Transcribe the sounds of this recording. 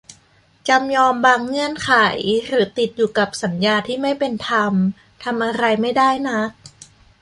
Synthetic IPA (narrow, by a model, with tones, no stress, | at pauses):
t͡ɕa˧mjɔː˧mbaː˧ŋːɯ˧˥˩ənkʰaː˩˦jɾɯː˩˦t̪i˨˩t̪̚juː˨˩ka˨˩p̚sa˩˦njaː˧t̪ʰiː˥˩ma˥˩jpe˧nt̪ʰa˧m | t̪ʰa˧mʔa˧ɾa˧jma˥˩jda˥˩jna˦˥